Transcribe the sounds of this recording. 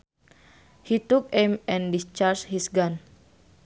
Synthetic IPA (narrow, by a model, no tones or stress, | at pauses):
hit̪ukemɛ̃ndist͡ʃaɾshisɡan